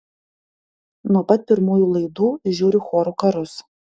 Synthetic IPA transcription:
nuɔpɐt̪̚ʲpʲɪɾmuːjuːlˠɐɪd̪uːʒʲuːɾʲɪxoːɾukɐɾʊs

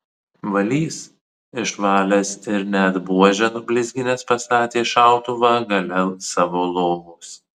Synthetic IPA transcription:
ʋɐlʲiːs | ɪʃʋɑːlʲɛsɪɾnʲɛɐd̪buɔʒʲɛnʊbʲlʲɪzʲɡʲɪnʲeːspɐst̪ɑːt̪ʲeːʃɑˑʊt̪ʊʋɑɡɐlʲɛlˠsɑːʋoːlˠoːmʊs

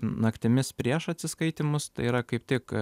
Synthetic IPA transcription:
nɐkt̪ʲɪmʲɪspʲɾʲiɛʃɐt̪ʲsʲɪskɐɪt̪ʲɪmʊst̪ɐɪiːɾɐkɐɪpt̪ʲɪk

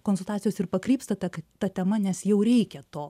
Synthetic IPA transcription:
konsʊlˠt̪ɑːt̪t͡sʲɪjoːsɪrpɐkɾʲiːpst̪ɐt̪ɐkt̪ɐt̪ʲɛmɐnʲɛsjɛʊɾʲɛɪkʲɛt̪oː

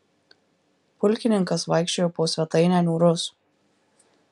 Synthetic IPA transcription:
pʊlʲˑkʲɪnʲɪŋkɐsʋɐɪkʃʲt͡ʃʲoːjoːpoːsʲʋʲɛt̪ɐɪnʲæːnʲuːɾʊs

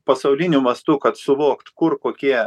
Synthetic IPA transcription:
pɐsɐʊlʲɪnʲʊmɐst̪ʊkɐt̪sʊʋoːkt̪kʊrkoːkʲiɛ

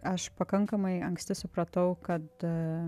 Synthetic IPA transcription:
ɐʃpɐkɐŋkɐmɐɪɐŋksʲt̪ʲɪsʊpɾɐt̪ɐʊkɐt̪

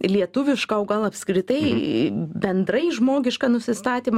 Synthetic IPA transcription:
lʲiɛt̪ʊʋʲɪʃkɐoːɡɐlˠɐpʲskɾʲɪt̪ɐɪ | bʲɛnd̪ɾɐɪʒmoːɡʲɪʃkɑnʊsʲɪst̪ɑːt̪ʲiːm

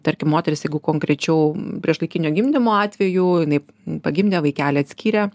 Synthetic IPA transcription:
t̪ɐɾʲkʲɪmoːt̪ʲɛɾʲɪsjɛɪɡʊkoːŋkɾʲɛt͡ʃʲɛʊpʲɾʲiɛʃlˠɐɪkʲɪnʲoːɡʲɪmʲd̪ʲɪmoːɑːt̪ʲʋʲɛjuːjɪnɐɪpɐɡʲɪmʲd̪ʲɛːʋɐɪkʲæːlʲɛːɐt̪ʲsʲkʲiːɾʲɛ

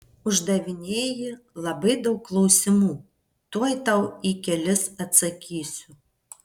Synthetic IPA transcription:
ʊʒd̪ɐʋʲɪnʲeːjɪ | lˠɐbɐɪd̪ɐʊkːlˠɔʊsʲɪmuː | t̪uɔjt̪ɐʊikʲɛlʲɪsɐt̪sɐkʲiːsʲʊ

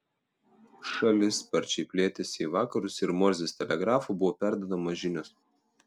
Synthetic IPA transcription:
ʃɐlʲɪspɐɾʲt͡ʃʲɛɪpʲlʲeːt̪ʲɛsʲiːʋɑːkɐɾʊsɪɾmɔɾʲzʲesʲt̪ʲɛlʲɛɡɾɑːfuːˑbʊʋoːpʲæˑɾd̪ɐd̪ɐmɐʒʲɪnʲoːs

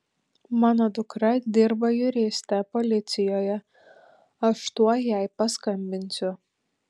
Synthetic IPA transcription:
mɑːnod̪ʊkɾɐd̪ʲɪɾbɐjʊɾʲeːsʲt̪ʲɛpolʲɪt̪ʲsʲɪjoːjɛ | ɐʃt̪uɔjɛˑɪpɐskɐmʲbʲɪnʲsʲʊ

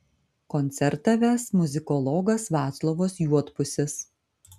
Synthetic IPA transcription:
kɔnʲt̪sʲɛɾt̪ɐʋʲæsmʊzʲɪkɔlˠɔɡɐsʋɑːt̪slˠoːʋoːsjuɔt̪pʊsʲɪs

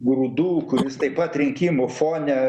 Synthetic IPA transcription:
ɡɾuːd̪uːkʊɾʲɪst̪ɐɪpɐt̪ɾʲɪŋʲkʲimʊfoːnʲɛ

